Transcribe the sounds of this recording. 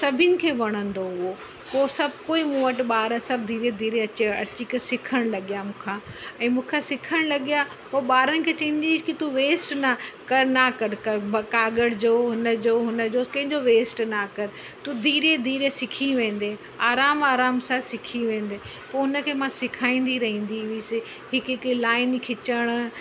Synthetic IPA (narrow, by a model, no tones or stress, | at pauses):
sɐbʱɪnɪ̆kʰeːʋɐɽ̃ə̃nd̪oɦʊo | poːsɐbʱkoːimũʋɐʈɪɓaːɾəsɐb̚ʱd̪ʱiːɾed̪ʱiːɾeɐt͡ɕeɐ̰t͡ɕikəsɪkʰəɽ̃lɐɠijamũːkʰãːɛ̃ːmũːkʰãsɪkʰəɽ̃lɐɠija | poːɓaːɾənɪ̆kʰeːt͡ɕẽːɲd͡ʑɪkit̪uʋeːsʈnakɐɾnakɐɾkɐɾbɐkaːɡəɽd͡ʑoːɦʊnəd͡ʑoːɦʊnə̆d͡ʑoːkɐ̃ɦɪ̃ɲd͡ʑoʋeːsʈnakɐɾ | t̪ud̪ʱiːɾed̪ʱiːɾesɪkʰiʋẽːn̆d̪eː | aːɾaːmaːɾaːmsaːsɪkʰiʋẽːn̆d̪e | poːɦʊnə̆kʰeːmãsɪkʰaːĩːn̆d̪iɾɐɦĩːn̆d̪iʋiːsɪ | ɦɪkɪklaːɪnkʰɪt͡ɕəɽ̃